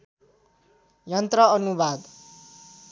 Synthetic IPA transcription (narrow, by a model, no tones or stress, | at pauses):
jʌnt̪rʌʌnubad̪